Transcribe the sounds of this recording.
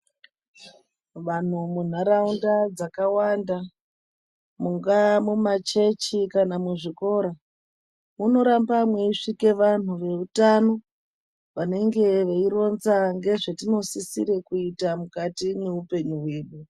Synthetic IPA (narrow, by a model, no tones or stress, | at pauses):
ʋan̤umun̤aɾaundad͡zakawanda | muŋɡamumat͡ʃe̞t͡ʃikanamuʐiko̞ːɾa | muno̞ɾambamwe̞iʂike̞ʋan̤uʋe̞utano̞ | ʋane̞ŋɡe̞ʋeiro̞nzaŋɡe̞ʐetino̞sisiɾe̞kuitamukatine̞upe̞ɲuɦwe̞ːɗu